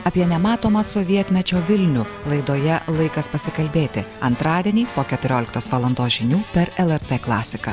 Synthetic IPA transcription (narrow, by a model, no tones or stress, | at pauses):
ɐpʲiɛnʲɛmɑːt̪oːmɐsɔʋʲiɛt̪ʲmʲɛt͡ʃʲoːʋʲɪlʲnʲʊ | lˠɐɪd̪oːjɛlˠɐɪkɐspɐsʲɪkɐlʲbʲeːt̪ʲɪɐnt̪ɾɑːd̪ʲɛnʲiːpoːkʲɛt̪ʊɾʲoːlʲɪkt̪oːsʋɐːlˠɐnd̪oːsʒʲɪnʲuːpʲɛɾɛlˠɛɾt̪ɛːklˠɑ̰ːsʲɪkɐː